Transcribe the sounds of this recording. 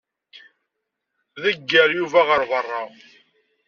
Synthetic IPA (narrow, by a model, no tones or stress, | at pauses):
ðəɡːəɾjuvæʁəɾvərˤːɑ